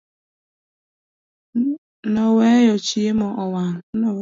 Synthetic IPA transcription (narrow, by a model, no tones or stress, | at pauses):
nɔwejɔt͡ʃiemɔʔɔwano